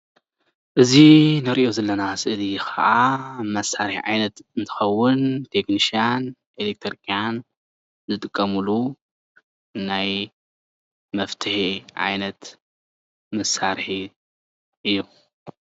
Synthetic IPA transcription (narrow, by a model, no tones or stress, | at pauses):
ʔɨzinɨɾiʔo̞zɐlːɐnasɨʔɨlikʰɐʔamɐsaɾħiʕajnɐt̪ɨnt̪ʰɨ̥xɐwːʊnt̪ʰe̞knisian | ʔelek̚t̪ʰɾikʰʼijan | zɨt̪ʼɨkʼːɐmulu | naj | mɐft̪ʰɨhiʕa̰jnɐt̪ | mɐsaɾħi | ʔɨjːu